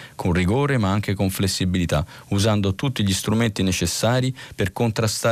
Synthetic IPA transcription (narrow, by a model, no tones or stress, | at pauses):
kʰonriɡoːɾemaaŋk̟ekoɱflesːibilit̪a | uzand̪ot̪ut̪ːiʎist̪ɾument̪inet͡ʃesːaːɾiperkont̪ɾast̪a